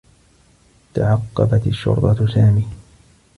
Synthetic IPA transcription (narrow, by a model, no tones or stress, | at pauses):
t̪aʕɑqːɑbat̪aʃːʊ̰ɾˤt̪ˤɑsaːmiː